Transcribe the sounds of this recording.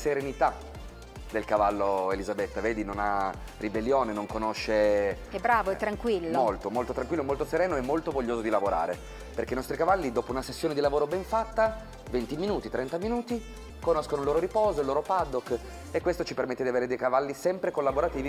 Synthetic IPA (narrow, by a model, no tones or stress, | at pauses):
seɾenit̪a | d̪elkavalːoelizabet̪ːaveːd̪inona | ribelːjoːnenoŋkonoʃːe | ɛbɾaːvoɛt̪ɾaŋkwilːommolt̪omolt̪ot̪ɾaŋkwilːomolt̪oseɾɛːnoɛmːolt̪ovoʎːoːzod̪ilavoɾa̰ːɾe | perkeinɔst̪ɾikavalːid̪oːpounasesːjoːned̪ilavoːɾobɛɱfat̪ːa | vent̪iminuːt̪it̪ɾɛnt̪aminuːt̪i | konoskonoilːoːɾoɾipɔːzoilːoːɾopad̪okː | ekːwest̪ot͡ʃipermet̪ːed̪iaveːɾed̪ejkavalːisɛmpɾekolːaboɾat̪iːvi